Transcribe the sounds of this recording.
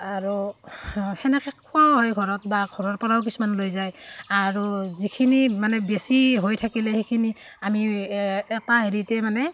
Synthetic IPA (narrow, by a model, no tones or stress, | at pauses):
aɹu | hɛnɛkʰɛkʰːɔɦɔjɡʱɔɹɔt̚baɡʱɔɹɔɹpɔɹawk̬isumanlojzajaɹuzikʰinimanɛbesiɦojtʰakilɛhekʰini | amiɛtaɦeɹitɛmanɛ